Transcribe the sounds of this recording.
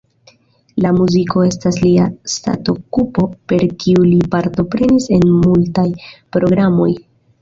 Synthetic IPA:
lamuziko̞e̞stasliasta̰to̞kupo̞pe̞ɾkʰiulipaɾto̞pɾe̞nise̞nmultajpɾo̞ɡɾamo̞̰j

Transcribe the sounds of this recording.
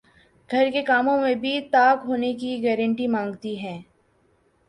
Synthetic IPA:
ɡʱɐɾkekaːmõmẽbʱit̪aːkɦoːnekiɡɛːɾə̃ɳʈimãːŋɡt̪iɦɛ̃ː

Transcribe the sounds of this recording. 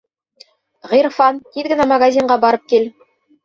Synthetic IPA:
ʁiɾfɑnt̪iðɡɘ̆næmɐɡazʲiɴɢɑbɑɾɤp̚kil

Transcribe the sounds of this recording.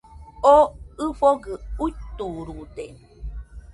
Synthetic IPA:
oɨfoɡɨuit̪uɾud̪e

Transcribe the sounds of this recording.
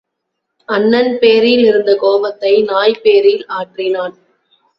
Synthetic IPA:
ɐnːɐnpeːɾilɪɾɯnd̪ɐkoːʋɐt̪ːɐɪnaːjpeːɾiːlaːʈrɪnaːn

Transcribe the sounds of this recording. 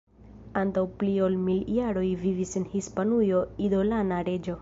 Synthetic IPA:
antawplio̞lmiljaɾo̞jvivisenhispanujo̞idolanaɾe̞d͡ʒo̞

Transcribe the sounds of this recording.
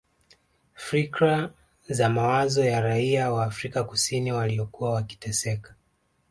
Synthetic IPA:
fɾikɾa | zamawazɔjaɾaiawaːfɾikakusiniwaliɔkuwawaki̥tɛsɛkḁ

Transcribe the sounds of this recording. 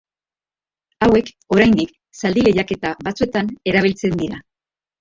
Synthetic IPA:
awe̞k | o̞ɾajnd̪ik | sald̪ile̞ʎake̞t̪aβat͡sue̞t̪ane̞ɾaβ̞ilt͡se̞nd̪iɾa

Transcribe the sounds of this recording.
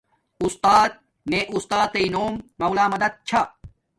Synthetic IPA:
ust̪aːt̪̚ | neʔust̪aːt̪ɐinoːmːɐwlaːmɐd̪ɐd̪̚t͡ɕʰa

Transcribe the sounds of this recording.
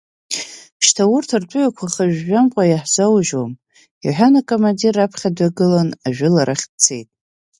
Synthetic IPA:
ʃtʰawʊrtʰartʷʼʊʕakʷʰaχaʒᶣːamqʷʼajaħzawʒwom | iħʷᶣanakʼomandirapʰχʲadaɡɨlanaʒᶣʊlaɾaχʲt͡sʰejtʼ

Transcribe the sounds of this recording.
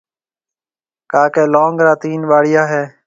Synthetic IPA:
kaːkeːloːŋɡɾaːt̪iːnʋaːɽɪjaːɦɛː

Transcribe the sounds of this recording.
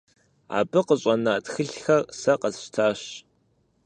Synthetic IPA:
a̰ːbɨqəɕʼɐnaːtxɨɬxɐrsɐqɐzɕtʰaːɕ

